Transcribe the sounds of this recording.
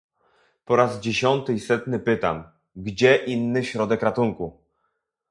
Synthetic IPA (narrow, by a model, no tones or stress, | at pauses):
pɔɾazd͡ʑeɕɔnt̪ɘisɛt̪nɘpɘt̪a̰m | ɡd͡ʑɛʔinːɘɕɾɔd̪ɛkɾat̪uŋku